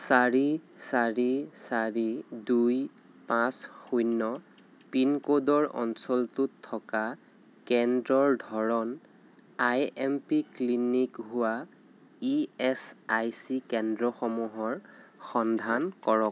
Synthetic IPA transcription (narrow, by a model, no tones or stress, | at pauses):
saɹisaɹisaɹiduj | pãsxujnːɔ | pinkodɔɹɔ̰nsɔltutʰːɔka | kɛndɹɔɹdʱɔɹɔn | ajɛmpiklinikɦʊwa | iɛsajsikɛndɹɔxɔmuɦɔɹxɔndʱankɔɹɔk̚